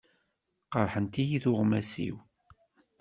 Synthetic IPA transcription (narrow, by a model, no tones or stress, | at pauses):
qəɾˤħənt̪ijiθʊʁmæsḭw